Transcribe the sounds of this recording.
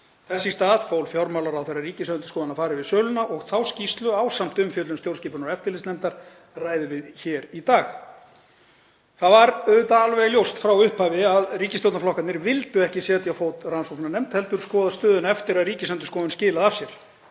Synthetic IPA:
θɛsːɪst̪aːðfowlfjɔɾmawlaɾawθɛjrːariːcɪsœnt̪ʏ̥skɔːðanafaːɾɪvɪðsœːwlʏnaʔɔɣθawscist̪lʏaːwsam̥t̪ʏmfjœːt̪lʏmst̪jowrsciːpʏnɔɾɛft̪ɪɾlɪstnɛmt̪aɾ̥ | raːjðʏvɪðçɛːɾit̪aːx | θaðvaɾœðʏt̪aalvɛɣljowst̪fɾawʏhphaːvɪaðriːcɪsjowt̪naflɔhkat̪nɪɾvɪlt̪ʏɛhcɪsjɛːt̪jawfoːwt̪ransofnanɛmt̪hɛlt̪ʏɾ̥skɔːðast̪œːðʏnɛft̪ɪɾaðriːcɪsœnt̪̬ʏskɔːðʏnscɪːlaðav̥sjɛɾ̥

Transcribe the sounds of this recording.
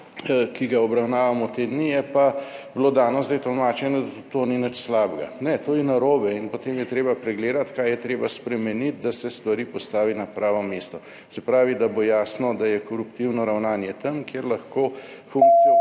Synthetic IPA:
kiɡaɔbɾawnaːʋamɔt̪ed̪nijɛpabloːd̪aːnɔzd̪ɛjt̪ɔlmaːt͡ʃɛnɔd̪at̪oninət͡ʃslaːbɡa̰nɛt̪oːjɛnaɾoːbɛinpot̪eːmjɛt̪ɾeːbapɾɛɡleːd̪at̪kaːjɛt̪ɾeːbaspɾɛmɛnit̪̚d̪asɛst̪ʋaɾiːpɔst̪aːʋinapɾaːʋɔmeːst̪ɔ | sɛpɾaːʋid̪abojaːsnɔd̪ajɛkɔɾupt̪iwnɔɾawnaːnjɛt̪əmkjeɾlaxkoː | fuŋk̚t̪si

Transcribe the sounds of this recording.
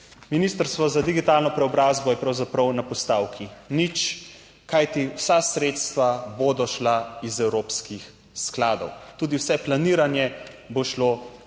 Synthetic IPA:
minist̪əɾst̪ʋɔzad̪iɡit̪alnɔpɾɛɔbɾazbɔjɛpɾawzapɾɐwnapɔst̪aːwkʰinit͡ʃ | kajt̪iwsasɾet̪st̪ʋaboːd̪ɔʃlaizɛwɾopskix | sklaːd̪ɔwt̪uːd̪iwsɛplaniːɾanjɛ | boʃlo

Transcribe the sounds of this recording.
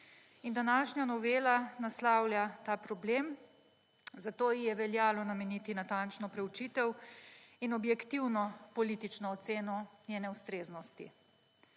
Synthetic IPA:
ind̪anaːʃɲʲjanɔʋeːlanaslaːwljat̪aːpɾɔbleːm | zat̪oːjijɛʋɛljaːlɔnamɛnit̪inat̪ant͡ʃnɔpɾɛwt͡ʃiːt̪ɛwinɔbjɛkt̪iwnɔpɔlit̪it͡ʃnɔːt̪seːnɔnjeːnɛwst̪ɾeːznɔst̪ḭ

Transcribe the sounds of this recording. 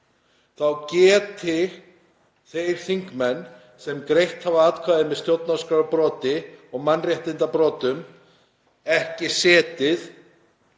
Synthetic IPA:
θawcɛːt̪ɪ | θejɾ̥θiŋkmɛnː | sɛmkɾejht̪havaaːt̪kʰvaːðɪmɛðst̪jowt̪naskɾaɾapɾɔːt̪ɪɔɣmanːrjaht̪ɪnt̪apɾɔːt̪ʏm | ɛhcɪsɛːt̪ɪθ

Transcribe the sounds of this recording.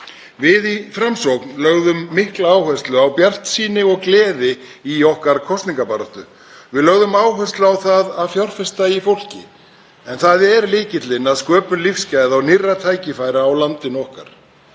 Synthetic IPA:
vɪðifɾamsowknlœɣðʏmːɪhklaːwhœst̪lʏawpjar̥t̪siːnɪɣɔɣklɛːðɪiɔhkaɾkʰɔst̪niŋkapaɾaht̪ʏ | vɪðlœɣðʏmaːwɦœst̪lʏawθaðaðfjawr̥fɛst̪aifowl̥cɪ̰ | ɛnθaðɛɾlɪːcɪt̪lɪnaðskœːpʏnlifscaːjðawnɪrːat̪ʰaːjcɪfaːjɾaːwlant̪ɪnɔhka̰ɾ̥

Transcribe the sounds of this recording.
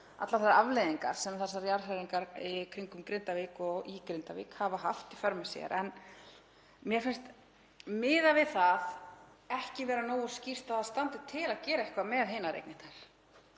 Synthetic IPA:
a̰t̪laθɛsːaavleːðiŋka̰ɾ̥sɛmθɛsːaɾjaɾ̥ɦaɾiŋkaɾikʰɾiŋkʏmkɾɪnt̪avɪkɔɣikɾɪnt̪avḭːkhavaɦa̰ft̪ifœɾmɛ̥sjɛ̰ɾʔɛn | mjɛɾ̥fɪnst̪ | mɪːðavɪðθað | ɛhcɪvɛːɾanoːwʏ̥scir̥t̪aθaðst̪ant̪ɪt̪ʰɪlaðcɛːɾaɛhkvamɛðɦeːnaɾḛjknɪt̪naɾ̥

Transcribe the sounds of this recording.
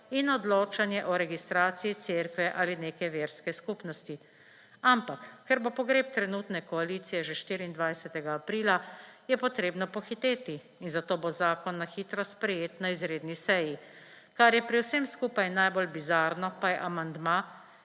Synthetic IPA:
inɔd̪loːt͡ʃanjɛʔɔɾɛɡist̪ɾaːt̪sijit̪seɾkʋɛʔaːlineːkɛʋeːɾskɛskuːpnɔst̪i | ampakːɛɾbopɔɡɾeːp̚t̪ɾɛnut̪nɛkɔaliːt̪sijɛʒeʃt̪iːɾiind̪ʋajsɛt̪ɛɡaːpɾiːlajɛpɔt̪ɾeːbnɔpɔxit̪eːt̪iː | nzat̪oːbozaːkɔnːaxiːt̪ɾɔspɾɛjeːt̪naizɾeːd̪nisɛji | kaɾjɛpɾiwsemskuːpajnajbolbizaːɾnɔpajɛʔamand̪ma

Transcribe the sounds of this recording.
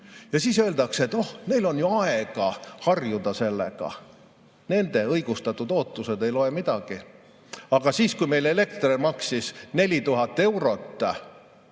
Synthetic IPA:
jɑsiːsø̞ːld̪ɑkse̞t̪ːˑohne̞jlo̞njuɑeɡ̥ɑhɑrjud̪̥ɑse̞lːḛɡ̥ɑ̰ | ne̞nd̪̥e̞ɤjɡ̥ust̪ɑt̪ːˑud̪̥o̞ːt̪ːˑuse̞d̪e̞jlo̞emid̪̥ɑɡ̥i | ɑɡ̥ɑsiːskujme̞jle̞le̞kt̪remɑksisne̞lʲit̪uɦɑt̪ːˑe̞wɾo̞t̪ːˑ

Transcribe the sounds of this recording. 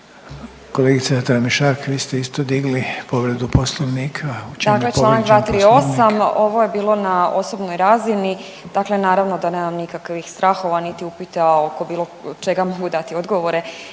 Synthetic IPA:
koleɡit̪sat̪ɾamiʃaɾkʋiːst̪eist̪od̪iɡlipoʋɾed̪uposlˠoʋniːkʰaut͡ʃd̪akklet͡ʃlanak̚d̪ʋaːt̪ɾio̞samo̞ʋo̞je̞biːlˠo̞nao̞sobnojɾazini | d̪̥akle̞naːɾaʋno̞d̪ane̞ːmamnikakʋixst̪ɾʔaːxo̞ʋanit̪iupit̪aokobiːlˠo̞t͡ʃeɡamo̞ɡud̪at̪io̞d̪ɡo̞ʋo̞ɾe̞

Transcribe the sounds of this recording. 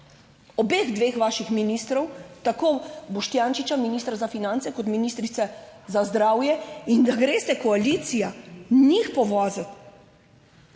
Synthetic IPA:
ɔbeːɣd̪ʋeːxʋaːʃixminist̪ɾɔwt̪akobɔʃt̪jaːnʃit͡ʃaminist̪ɾazafinãnt̪sɛkɔt̪miniːst̪ɾit̪sɛzazd̪ɾaːwjɛind̪aɡɾeːst̪ɛkɔaliːt̪sijanixpɔʋɔːzɛt̪

